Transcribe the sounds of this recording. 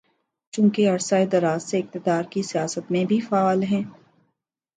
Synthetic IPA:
t͡ʃũːkeɐɾsaːed̪ɐɾaːzseɪk̚t̪ɪd̪aːɾkisijaːsət̪mẽbʱifaaːlɦɛ̃ː

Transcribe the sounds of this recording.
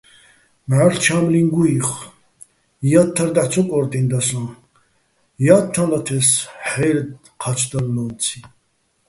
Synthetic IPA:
maɾt͡ʃʰamlinɡuiχ | jat̪ʰːaɾd̪at͡sʰɔkʼɔɾt̪ʼind̪asɔ̃n | jat̪ʰːãlat̪ʰɛsħɛɾd̪ | qʰat͡ʃʰd̪alːɔnt͡sʰi

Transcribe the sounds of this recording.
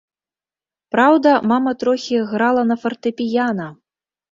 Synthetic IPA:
pɾawd̪ɐmamɐt̪ɾɔxʲiɣɾalˠɐnɐfɐrt̪ɨpʲijanɐ

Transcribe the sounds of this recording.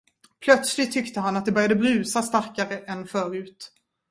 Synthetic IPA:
pʰlœt̪slɪt̪ʰːʏkt̪əɦanat̪̚d̪ɛbœɾjad̪əbɾʉ̟ːsast̪aɾkaɾəʔɛnːfœːɾʉ̟ːt̪

